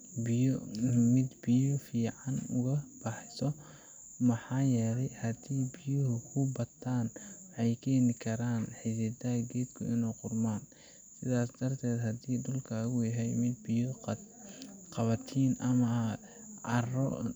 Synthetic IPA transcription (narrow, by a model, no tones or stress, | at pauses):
b | mɪd̪bɪjɔfiːʕɑnʊɣɐb̥ɑħɪsɔ | mɐħɑːjɛːlɛjhɐd̪iːbɪjʊɦʊkʰʊbɐt̪ʰːaːnwħɑjkʰɛːnɪkʰɐɾaːnħɪsɛd̪ɐɐɡɛːd̪kʰʊɪnɛːqʊrmaːn | sɪðaːsd̪̥ɐrt̪ʰɛːd̪ɦɐd̪iːd̪ʊlkʰaɣʊjɐɦɛjmɪd̪bɪjɔ | qɑβɐt̪ʰiːnɐmɐ | ʕɑrɔ̰